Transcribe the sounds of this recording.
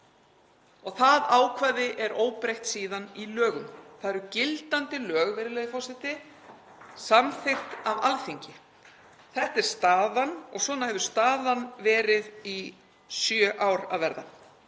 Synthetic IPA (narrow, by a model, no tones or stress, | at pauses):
ɔɣθaðaːwkʰvaːðɪʔɛɾoːwpɾejht̪siːðanilœːɣʏmθaðɛɾʏcɪlt̪ant̪ɪlœːɣvɛɾɪlɛjðɪfɔwsɪht̪ɪ | samθɪxt̪avalθiɲcɪ | θɛht̪ɛɾ̥st̪aːðanɔ̰ɣswɔːnahɛvðʏst̪aːðanvɛːɾɪði | sjœʔaːwɾa̰ðvɛɾða̰